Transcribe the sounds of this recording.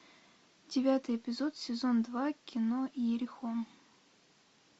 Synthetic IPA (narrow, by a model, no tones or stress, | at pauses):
dʲɪvʲat̪ɨjɪpʲɪzo̞t̪sʲɪzo̞nd̪vakʲɪnojɪɾʲɪxom